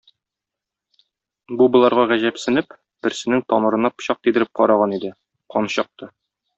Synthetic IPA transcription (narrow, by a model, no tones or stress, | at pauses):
bubŏlˠɑɾʁɑʁæʑæpsɘ̆nɘp | b̥ɘ̆ɾsɘ̆nɘŋt̪ɒmɤ̆ɾɤ̆nɑpɕɒq̚t̪id̪ɘ̆ɾɘp̚qɒɾɑʁɑnid̪ɘ | qɒnɕɑq̚t̪ɤ